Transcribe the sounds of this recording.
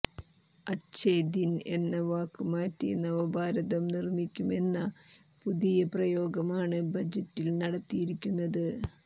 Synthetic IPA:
ɐɕejd̪ine̞̰nːɐʋaːkːɨmaːtːḭnːɐʋɐbʱaːɾɐðɐmnirmikʲːume̞nːɐ | puðijɐprɐjo̞ːɡɐmaːɳɨbɐd͡ʑɐtːilnɐɽɐt̪ːijiɾikʲːunːɐðɨ

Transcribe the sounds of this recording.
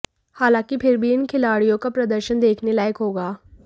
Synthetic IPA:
haːlãːkipʰɪɾbʱiɪnkʰɪlaːɽijõkapɾɐd̪əɾʃənd̪eːkʰnelaːjəkɦoːɡaː

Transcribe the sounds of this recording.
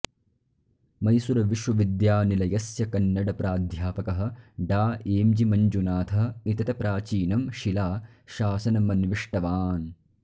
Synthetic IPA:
mɐjsuɾɐʋiʃʋɐʋid̪jaːnilɐjɐsjɐkɐnːɐɽɐpɾaːd̪ʱjaːpɐkɐɦɐ̆ɖaːeːmd͡ʒimɐɲd͡ʒunaːt̪ʰɐɦɐit̪ɐt̪ɐpɾaːt͡ʃiːnɐmʃilaːʃaːsɐnɐmɐnʋiʂʈɐʋaːn

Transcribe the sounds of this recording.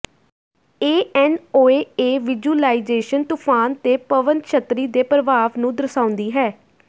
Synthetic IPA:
eːɛːnoːeːeːʋɪd͡ʒuːlaːɪzeːʃənt̪upʰaːnt̪eːpəʋənkʃət̪ɾiːd̪eːpɾəʋaːʋnũːd̪əɾsãːʊ̃nd̪iːɦɛː

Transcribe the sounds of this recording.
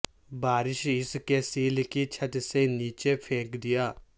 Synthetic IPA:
baːɾɪʃɪskesiːlkit͡ʃʰɐt̪seniːt͡ʃepʰeːkd̪ɪjaː

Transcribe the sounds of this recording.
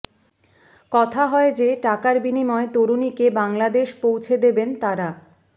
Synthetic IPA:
kɔt̪ʰaɦɔed͡ʑeʈakaɾbinimɔet̪oɾunikebaŋlad̪eʃpowt͡ɕʰed̪ebent̪aɾa

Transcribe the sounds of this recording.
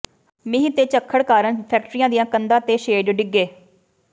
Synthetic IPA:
mɪɦĩːt̪eːt͡ʃəkʰːəɽkaːɾəɳpʰɛːk̚ʈɾijãːd̪ijãːkənd̪ãːt̪eːʃeːɖɖɪɡːeː

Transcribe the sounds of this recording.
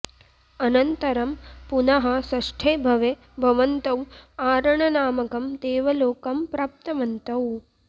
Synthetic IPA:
ɐnɐnt̪ɐɾɐmpunɐɦɐ̆sɐʂʈʰeːbʱɐʋe | bʱɐʋɐnt̪ɐwaːɾɐɳɐnaːmɐkɐmt̪eːʋɐloːkɐmpɾaːp̚t̪ɐʋɐnt̪ɐw

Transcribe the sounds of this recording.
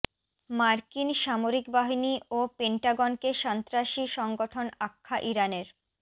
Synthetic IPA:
maɾkinʃamoɾikbaɦiniopeɳʈaɡonkeʃant̪ɾaʃiʃɔŋɡoʈʰonakʰːaʔiɾaneɾ

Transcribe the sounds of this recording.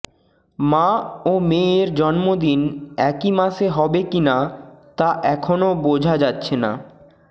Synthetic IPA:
mãomeɾd͡ʑɔnmod̪inɛkimaʃeɦɔbekinat̪aʔɛkʰonobod͡ʑʱad͡ʑatːɕʰena̰

